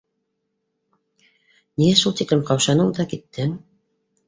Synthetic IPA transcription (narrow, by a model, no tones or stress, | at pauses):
niæʃulˠt̪iklɘmqɑwʃɑnɤɴd̪ɑkit̪ːɘŋ